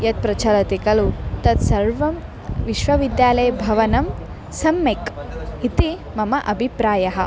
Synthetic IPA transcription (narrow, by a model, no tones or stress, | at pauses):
jɐt̪̚pɾɐt͡ʃʰɐlɐt̪ikɐlut̪ɐt̪sɐɾʋɐm | ʋiʃʋɐʋid̪jaːlɐjɐbʱɐʋɐnɐm | sɐmːekit̪imɐmɐʔɐbʱipɾaːjɐɦɐ̆